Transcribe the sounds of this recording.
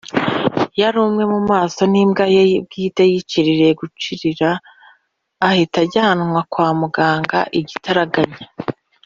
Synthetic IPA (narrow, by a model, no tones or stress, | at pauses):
jaɾuːmŋe̞mumaːso̞nimɡajeb̚ɡiːtejit͡ʃiɾiɾe̞ɡut͡ʃiɾiɾaː | hitaɾɟanŋwakwaːmuɡaːŋɡa̰ʔiɟitaɾaɡaɲa